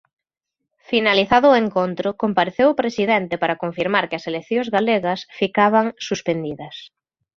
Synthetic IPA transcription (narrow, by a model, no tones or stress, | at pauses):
finaliθaðʊːeŋkont̪ɾʊkompaɾeθewʊpɾesiðɛnt̪ɪpaɾɐkoɱfiɾmaɾkɪɐselekθjoŋzɣaleɣɐsfikaβ̞ɐŋsuspend̪iðɐs